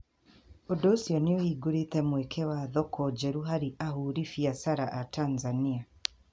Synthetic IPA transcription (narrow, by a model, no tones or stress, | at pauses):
odɔːsjɔneohiːɡoɾetɛmwɛkʰɛwaðɔkʰɔd͡ʒɛɾuɦaɾiʔahuɾifiasaɾaʔatʰanzania